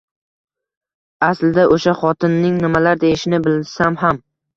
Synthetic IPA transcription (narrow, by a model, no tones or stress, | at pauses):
aslɪd̪aʔoʃaχɒt̪ʰɪnːɪŋnɪmalaɾd̪ejɪʃɪnɪbɪld̪ɪsamɦam